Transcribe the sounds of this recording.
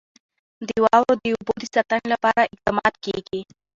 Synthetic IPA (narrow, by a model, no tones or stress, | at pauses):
d̪iwaːwod̪iubod̪isɐt̪anlapaːɾaʔɪk̚t̪ɐmaːd̪̚keɡe